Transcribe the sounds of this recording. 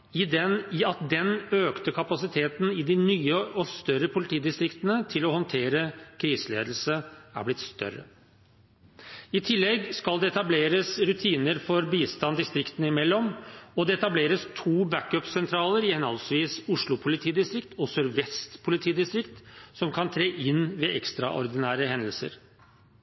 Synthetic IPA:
ɪd̪ɛnɪɑt̪̚d̪ɛnøːkt̪əkʰɑpɑsɪt̪ʰeːt̪n̩ɪd̪ɪnyːəɔst̪œɾəpʰʊlɪt̪ʰiːd̪ɪst̪ɾɪkt̪ənət̪ʰɪlɔhɔnt̪ʰeːɾəkʰɾiːsəlḛːd̪l̩səæ̰ɾblɪt̪st̪œ̰ɾə̰ | ɪt̪ʰɪlːɛɡskɑld̪ɛɛt̪ɑbleːɾəsɾʉt̪ʰiːnəɾfɔɾbiːst̪ɑnd̪ɪst̪ɾɪkt̪ənəɪmɛlːɔmɔd̪ɛɛt̪ɑbleːɾəst̪ʰuːbækœpsɛnt̪ʰɾɑːləɾɪɛnhɑlsʋiːsʊʂɭʊpʰʊlɪt̪ʰiːd̪ɪst̪ɾɪkt̪ʰɔsœɾʋɛst̪pʰʊlɪt̪ʰiːd̪ɪst̪ɾɪkt̪sɔmkʰɑnt̪ʰɾeːʔɪnːʋeːʔɛkst̪ɾɑ̰ʔɔ̰ɾd̪ɪnæːɾəhɛnd̪əlsə̰ɾ

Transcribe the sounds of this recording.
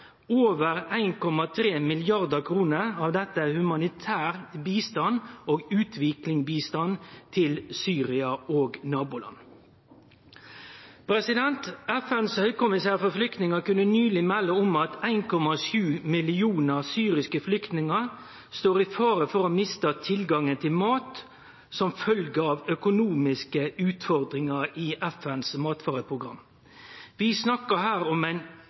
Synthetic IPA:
oːʋəɾæɪnkɔmɑt̪ʰɾeːmɪlɪɑʁd̪əkʰɾuːnəɾɑːʋd̪ɛt̪ːəæhʉmɑnɪt̪ʰæːʁbiːst̪ɑnoːɡʉːt̪ʰʋɪklɪŋbiːst̪ɑnt̪ʰɪlsyːɾɪɑoːɡnɑːbʊlɑ̰n | pʰɾɛsɪd̪ɛnt̪ɛfɛnshœʏkʊmɪsæːʁfɔflʏkt̪nɪŋəkʉnːənyːlɪmɛlːəʊmɑt̪æɪnkʰɔmɑʃjʉːmɪlɪuːnəɾsyːɾɪskəflʏkt̪nɪŋəɾ | st̪oːɾɪfɑːɾəfɔɾɔmɪst̪ət̪ʰɪlɡɑŋənt̪ʰɪlmɑːt̪ | sɔmfœlɡəɑʋœkʊnuːmɪskəʉːt̪fɔɾd̪ʁɪŋəɾiːʔɛfɛnsmɑːt̪fɑːɾəpʰʁʊɡɾɑ̰m | ʋɪsnɑkəhæːɾɔmæɪn

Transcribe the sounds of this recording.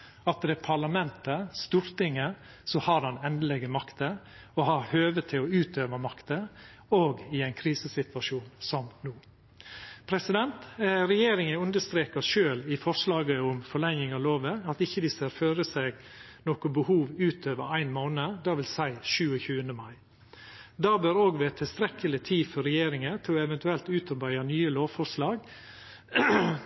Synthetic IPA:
ɑt̪̚d̪ɛpʰɑɭɑmɛnt̪əst̪uːɾt̪ɪŋə | sɔhɑɾɑnɛnd̪əlɛɡəmɑkt̪ə | ɔhɑɾhøːʋət̪ʰɪlɔʉːt̪ʰøːʋəmɑkt̪ə | oːɡɪæɪnkʰɾiːsəsɪt̪ʋɑʂuːnsɔmnuː | pʰɾɛsɪd̪ɛnt̪ɾɛjeːɾɪŋəʉnd̪əst̪ɾeːkəʂøːlɪfɔɾʂlɑːɡəʊmfɔɭɛŋːɪŋɑloːʋəɑt̪ɪçːəd̪ɪseɾføːɾəseɡ | nɔkʊbəhuːʋʉːt̪ʰøːʋə̰ɾæɪnmoːnəd̪ɑːʋɪlsæɪʃʉːəçʉːənəmɑɪ | d̪ɑːbøːɾoːɡʋeːt̪ʰɪlst̪ɾɛkʰːəlɪt̪ʰiːfɔɾɛjeːɾɪŋət̪ʰlɔɛʋɛnt̪ʉɛlt̪ʉːt̪ʰɑbæɪɑnyːəloːʋfɔɾʂlɑːɡ

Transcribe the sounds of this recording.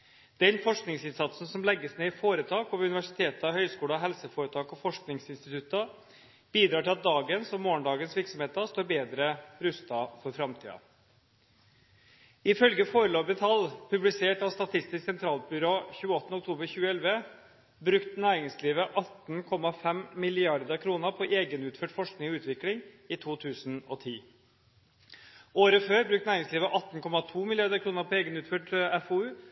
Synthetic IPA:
d̪̥ɛnfɔʂknɪŋsɪnsɑt̪sn̩sɔmlɛɡːəsneːɪfoːɾət̪ʰɑːkɔʋʉnɪʋæʂɪt̪ʰeːt̪ɑhœʏskuːlɑɦɛlsəfoːɾət̪ʰɑːkɔfɔʂknɪŋsɪnst̪ɪt̪ʰʉt̪ɑ | b̥iːd̪ɾɑːʈɪlɑt̪̚d̪ɑːɡənsɔmoːɳɖɑːɡənsʋɪɾksɔmeːt̪ɑst̪oːɾbeːd̪ɾəɾʉst̪ɑfɔɾfɾɑmt̪ʰḭːɑ̰ | ɪfœlɡəfoːɾəloːbət̪ʰɑlpʰʉblɪseːʈɑʋst̪ɑt̪ʰɪst̪ɪsksɛnt̪ʰɾɑːlbʏɾoːçʉːəɔt̪ənəɔkt̪ʰuːbəɾçʉːəɛlʋə | bɾʉkt̪næːɾɪŋsliːʋəʔɑt̪n̩kʰɔmɑfɛmmɪlɪɑɾd̪əɾkʰɾuːnəɾpʰɔʔeːɡənʉːt̪føːʈfɔʂknɪŋɔʉːt̪ʋɪklɪŋ | ɪt̪ʰuːt̪ʰʉːsn̩ɔt̪ʰiː | oːɾəføːɾbɾʉkt̪næːɾɪŋsliːʋəʔɑt̪n̩kʰɔmɑt̪ʰuːmɪlɪɑɾd̪əɾkʰɾuːnəɾpʰɔeːɡənʉːt̪føːʈæfoːʉː

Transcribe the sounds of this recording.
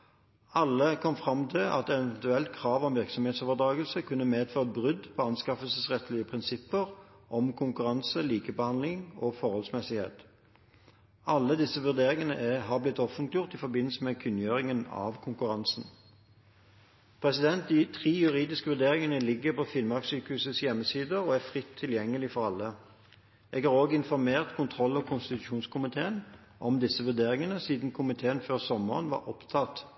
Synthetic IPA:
ɑlːəkʰɔmfʁɑmt̪ʰɪlʔɑ̰t̪ɛɛɛnt̪ʉɛlt̪kʰʁɑːʋɔmʋɪʁksɔmeːt̪soːʋəʁd̪ʁɑːɡəlsəkʰʉnːəmeːd̪føːʁəbʁʏd̪pʰɔɑnskɑfəlsəsʁɛt̪lɪəpʰʁɪnsɪpːəʁ | ʔɔmkʰʊŋkʉʁɑnsəliːkəbəhɑnlɪŋɔfɔʁhɔlsmɛsɪhḛːt̪ | ɑlːəd̪ɪsːəʋʉʁd̪eːɾɪŋənə̰ʔɦɑʁblɪt̪ɔfənt̪lɪjʊʁt̪ɪfɔbɪnːl̩səmekʰʉnjøːʁɪŋənɑ̰ʋkʰʊŋkʉʁɑnsn̩ | pʰʁɛsɪd̪ɛnt̪̚d̪ɪt̪ʰʁiːjʉʁiːd̪ɪskəʋʉʁd̪eːɾɪŋənəlɪɡːəpɔfɪlmɑksyːkəhʉːsəsjɛmːəsiːd̪əɔæfʁɪt̪ʰːɪljɛŋːəlɪfɔɾɑlːə | ʔɛːɡhɑːʁoːɡəɪnfɔʁmeːʁt̪kʰʊnt̪ʰʁɔlːɔkʰʊnst̪ɪt̪ʉʃuːnskʰʊmɪt̪ʰeːən | ʔɔmd̪ɪsːəʋʉʁd̪eːʁɪŋənəsiːd̪n̩kʰʊmɪt̪ʰeːənføːʁsɔmə̰ʁənʋɑ̰ɾʔɔpt̪ʰɑt̪

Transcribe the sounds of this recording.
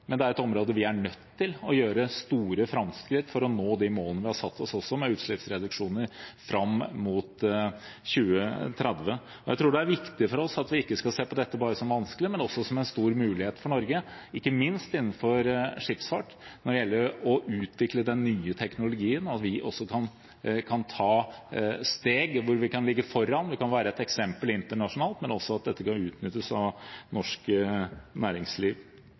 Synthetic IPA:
mɛnd̪ɛæɾɛt̪ɔmɾoːd̪əʋɪæɳœt̪ːɪlɔjøːɾəst̪uːɾəfɾɑmskɾɪt̪ːfɔɾɔnoːd̪ɪmoːlənəʋɪhɑsɑt̪ːɔsɔsːɔmɛʉːt̪ʂɭɪpsɾɛd̪ʉkʂuːnəɾfɾɑmmuːt̪ | çʉːət̪ʰɾɛd̪ʋə | ɔjæɪt̪ʰɾuːɖɛæɾʋɪkt̪ɪfɔɾɔsɑt̪ʋɪɪkːəskɑseːpɔd̪ɛt̪ːəbɑːɾəsɔmʋɑnskəlɪmɛnɔsːɔsɔmɛnst̪uːɾmʉːlɪheːt̪fɔɳɔɾɡə | ɪkːəmɪnst̪ɪnːn̩fɔɾʂɪpsfɑʈ | nɔɖɛjɛlːəɾɔʔʉːt̪ʰʋɪkləd̪ɛnːyːət̪ʰɛknʊlʊɡiːənɑt̪ʋɪʔɔsːɔkʰɑn | kʰɑnt̪ʰɑː | st̪eːɡʋʊɾʋɪkɑnlɪɡːəfɔɾːɑnʋɪkɑnʋæːɾəɛt̪ɛksɛmpəlɪnt̪əɳɑʂʊnɑːlt̪mɛnɔsːɔɑt̪̚d̪ɛt̪ːəkɑnʉːt̪nʏt̪ːəsɑ̰ʋnɔʂk | næːɾɪŋsliːʋ

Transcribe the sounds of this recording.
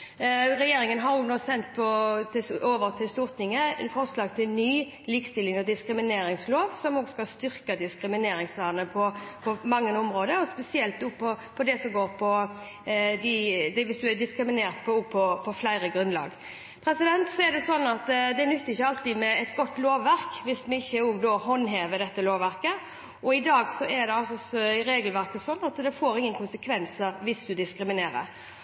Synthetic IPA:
ʁɛjeːɾɪŋənɦɑɾjʊnoːsɛnt̪pʰɔt̪ʰɪoːʋəʁt̪ʰɪlst̪uːʁt̪ʰɪŋːəfɔɾslɑːɡt̪ʰɪlnyː | lɪkst̪ɪlːɪŋɔd̪ɪskɾɪmɪneːɾɪŋsloːʋsɔmoːɡskɑlst̪ʏɾkəd̪ɪskɾɪmɪneːɾɪŋsʋɑːnəpʰɔpʰɔmɑŋːənʊmɾoːd̪əɾɔspɛsɪɛlt̪̚d̪uːpʰɔpʰɔd̪ɛsɔmɡoːɾpʰɔ | d̪ɪd̪ɛʋɪsd̪ʉæd̪ɪskɾɪmɪneːɾt̪pʰɔpʰɔpʰɔflæɪɾəɡɾʉnlɑ̰ːɡ | pʰɾɛsɪd̪ɛnt̪sɔɛɾd̪ɛsɔnːɑt̪d̪ɛɛnʉt̪ːɪçːəɑlt̪iːd̪mɛɛt̪ɡɔt̪ːloːʋːæɾkʋɪsmɛɪçːəoːɡd̪oːɦɔnːɦeːʋəd̪ɛt̪ːəloːʋæɾkə | ɔɪd̪ɑːɡsɔʔɛɾd̪ɛɑlsɔɔsɔɪɾeːɡəlʋæʁkəsɔnːɑt̪d̪ɛfoːɾɪŋːənkʰʊnsəkʰʋɛnsəɾʋɪsd̪ʉd̪ɪskɾɪmɪneːɾə̰ɾ

